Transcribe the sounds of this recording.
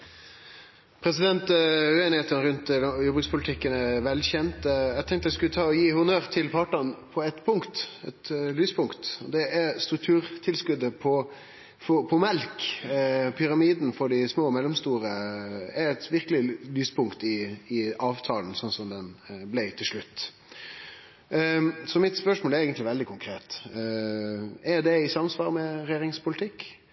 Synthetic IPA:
pʰɾɛsɪd̪ɛnt̪ʉeːnɪheːt̪ənəɾʉnt̪jɔbəɡspʰʊlt̪ʰɪkːənæʋɛlçɛnt̪ɛɪɡt̪ʰɛŋk̚t̪əd̪æskʉlːət̪ʰɑːɔjiːhʊnøːɾt̪ʰɪlpʰɑʈənpʰɔɛt̪pʰʊŋkt̪ɛt̪lyːspʰʊŋkt̪ɔd̪ɛʔæɾst̪ɾʉk̚t̪ʰʉːɾt̪ʰɪlskʉd̪əpʰɔ | fɔpʰɔmɛlk | pʰʏɾɑmiːd̪n̩fɔɖɪsmoːmɛlːɔmst̪uːɾəɛɾɛt̪ʋɪɾkəlɪlyːspʰʊŋkt̪ɪɪɑːʋt̪ʰɑːln̩sɔnsɔmd̪ɛnblæɪt̪ʰɪlʂɭʉt̪ː | sɔmɪt̪spœʂmoːlɛɾɛːɡənt̪lɪʋɛld̪ɪkʰʊŋkʰɾeːt̪ | ɛɾd̪ɛɪsɑmsʋɑːɾmɛɾɛjeːɾɪŋspʰʊlɪt̪ʰɪkː

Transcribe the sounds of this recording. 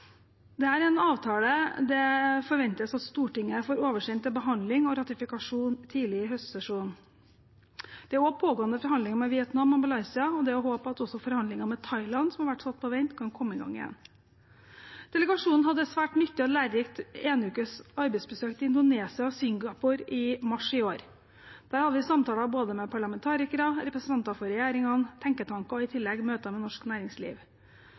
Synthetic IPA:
d̪ɛæːɾɛnɑːʋt̪ʰɑːləd̪ɛfɔɾʋɛnt̪əsɑt̪st̪uːʈɪŋːəəfɔːɾoːʋəʂɛnt̪ːɪlbəɦɑnd̪lɪŋɔɾɑt̪ɪfɪkɑʂuːnt̪ʰiːlɪɪɦœst̪sɛʂuːn̩ | d̪̥ɛæɾoːpʰoːɡoːənəfɔɾhɑnd̪lɪŋɑmɛʋɪɛt̪nɑmːɑmbɑlɑɪsɪɑɔd̪ɛɔɦoːpɑt̪ɔsːɔfɔɾhɑnd̪ɪŋɑmɛt̪ʰɑɪlɑnsɔmhɑɾʋæʈːsɑt̪̚ːpʰɔʋɛɪnt̪kʰɑnkʰɔmːəɪɡɑ̰ŋːɪ̰jɛ̰n | d̪̥ɛləɡɑʂuːnn̩hɑd̪ːəsʋæːʈnʏt̪ːɪɑt̪læːɾɾɪkt̪eːnʉːkəsɑɾbɛɪsbəsøːkt̪ɪɪnd̪ʊneːsɪɑɔsʏŋɡɑpʊɾɪmɑʂɪoːɾ | d̪̥æːɾhɑd̪əʋɪsɑmt̪ʰɑːlɑboːd̪əmɛpʰɑɭɑmɛnt̪ʰɑːɾɪkəɾɑɾɛpɾəsənt̪ɑnt̪ɑfɔɾɛjæːɾɪŋɑnt̪ʰɛŋkət̪ʰɑŋkɑɔɪt̪ʰɪlːɛɡmøːt̪ɑmɛnɔʂknæːɾɪŋslḭːʋ

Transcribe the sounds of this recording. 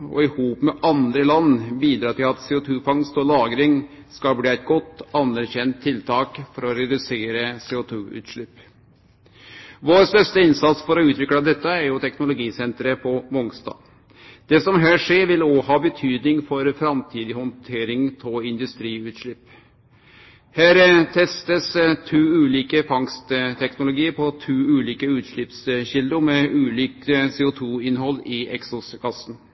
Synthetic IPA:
ɔ̰ɪhuːpmɛʔɑnd̪ɾəlɑnːbiːd̪ɾɑːʈ̪ɪlɑt̪seːʊt̪ʰʉːfɑŋst̪ɔlɑːɡɾɪŋskɑlbliːæɪt̪̚ɡɔt̪ːɑnːæɾçɛnt̪ʰːɪlt̪ʰɑːkfɔɾɔɾɛd̪ʉseːɾəseːʊt̪ʰʉːʉ̰ːt̪ʂɭɪpː | ʋoːɾst̪œʂt̪əɪnsɑt̪sfɔɾɔʉːt̪ʋɪkɽɑd̪ɛt̪ːəæɾjʊt̪ʰɛknʊlʊɡiːsɛnt̪ɾəpʰɔmɔŋst̪ɑ̰ː | d̪̥ɛsɔmɦæːʂeːɾʋɪloːhɑːbət̪ʰyːd̪nɪŋfɔɾfɾɑmt̪ʰiːd̪ɪhɔnt̪ʰeːɾɪŋt̪ʰɔɪnd̪ʉst̪ɾiːʉːt̪ʂɭɪpː | hæːɾt̪ʰɛst̪əst̪ʰʉːʉːliːkəfɑŋst̪t̪ʰɛknʊlʊɡiːəɾpʰɔt̪ʰʉːʉːliːkəʉːt̪ʂɭɪpsɕɪld̪ʊmɛʔʉːliːkəseːʊt̪ʰuːɪnhɔlːɪɛ̰ksɔskʰɑsn

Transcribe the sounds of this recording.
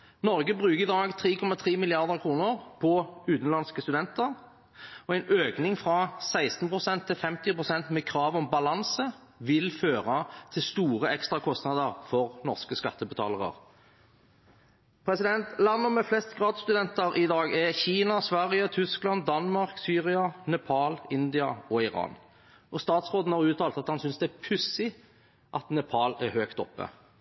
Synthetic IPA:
nɔʁɡəbʁʉːkəʁɪd̪ɑːɡt̪ʰʁiːkʰɔmːɑt̪ʰʁiːmɪlɪɑʁd̪əʁkʰɾuːnəʁpʰɔʉːt̪n̩lɑnskəst̪ʉd̪ɛnt̪əʁ | ɔæɪnøːknɪŋfʁɑsæɪst̪npʰʁʊsɛnt̪ʰːɪlfɛmt̪ɪpʁʊsɛnt̪meːkʰɾɑːʋɔmbɑlɑnsə | ʋɪlføːʁɑt̪ʰɪst̪uːʁəɛkst̪ɾɑkʰɔst̪nɑd̪əʁfɔʁnɔʁskəskɑ̰t̪ːəbət̪ʰɑ̰ːləʁə̰ʁ | pʰɾɛsɪd̪ɛnt̪lɑnːəmɛflɛst̪ɡʁɑːd̪st̪ʉd̪ɛnt̪əɾʔɪd̪ɑːɡɛçiːnɑsʋæʁɪət̪ʰʏsklɑnd̪ɑnmɑʁksyːʁɪɑnɛpʰɑːlɪnd̪ɪɑɔɪɾɑ̰ːn | ɔst̪ɑːt̪sʁoːd̪n̩hɑʁʉːt̪ʰɑːlt̪ɑt̪hɑnsʏnsd̪ɛæpʰʉsɪ | ʔɑt̪nɛpʰɑlæʁhøːkt̪ɔ̰pːə̰

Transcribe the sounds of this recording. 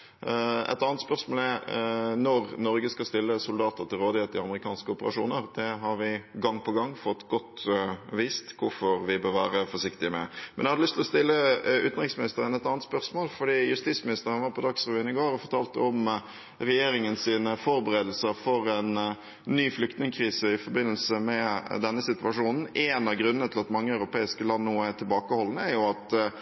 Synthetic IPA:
ɛ̰t̪ɑːnət̪spœʁsmoːlɛnɔɾnɔɾɡəskɑst̪ɪlːəsʊld̪ɑːt̪əɾt̪ɪlʁoːd̪ɪheːt̪əɪɑməʁɪkʰɑːnskəʊpəɾɑ̰ʂṵːnəɾd̪ɛɦɑɾʋɪɡɑŋːpʰɔɡɑŋːfɔt̪ːɡɔt̪ʋiːst̪kʰʊɾfɔɾʋɪbøːʋæ̰ːɾəfɔʂɪkt̪ɪəmɛ̰mɛnjɛhɑd̪əlʏst̪ʰlɔst̪ɪlːəʉːt̪n̩ʁɪksmɪnɪst̪əɾənɛt̪ɑnət̪spœɾsmoːlfɔɖiːjʉst̪iːt̪smɪnɪst̪əɾənɑnʋɑɾpʰɔd̪ɑksʁɛʋyːənɪɡoːɾɔfɔɾʈ̪ʰɑːlt̪əɔm | ɾɛjeːɾɪŋənsiːnəfɔɾbəɾeːd̪l̩səɾfɔɾɛnː | yːflʏk̚t̪nɪŋkʰɾiːsəɪfɔɾbɪnːəlsəmɛd̪ɛnːəsɪt̪ʉʋɑʂuːnn̩ʔɛːnɑɡɾʉnənət̪ʰɪlɑt̪mɑŋːəɑʉɾʊpeːɪskəlɑnːnoːæt̪ʰɪlbɑːkəhɔlːənəæɾjʊɑt̪

